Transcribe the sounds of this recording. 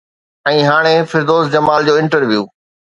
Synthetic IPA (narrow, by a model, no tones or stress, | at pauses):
ɛ̃ːɦaːɽ̃efɪɾd̪oːsd͡ʑɐmaːld͡ʑoːɪ̃ɳʈəɾʋjuː